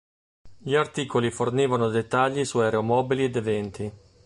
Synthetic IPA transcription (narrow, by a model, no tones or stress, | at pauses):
ʎiart̪iːkoliforniːvanod̪et̪ːaʎːisuɛɾeomɔːbilied̪evɛnt̪i